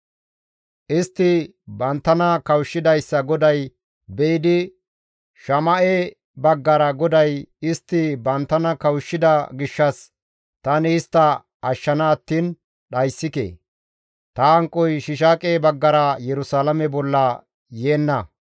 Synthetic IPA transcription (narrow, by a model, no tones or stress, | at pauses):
ʔɪst̪ːɪ | bɐnt̪ːɐnɐkɐwʃːɪd̪ɐjsːɐɡɔd̪ɐj | bɛɪd̪ɪ | ʃɐmɐʔe | bɐɡːɐɾɐɡɔd̪ɐjɪst̪ːɪbɐnt̪ːɐnɐkɐwʃːɪd̪ɐɡɪʃːɐs | t̪ɐnɪɪst̪ːɐ | ɐʃːɐnɐːt̪ːiːn | ɗɐjsːɪkḛː | t̪ɐːŋkʼːɔjʃɪʃ̬aːkʼeːbɐɡːɐɾɐjɛɾʊsaːlɐmɛbɔlːɐ | jeːnːɐ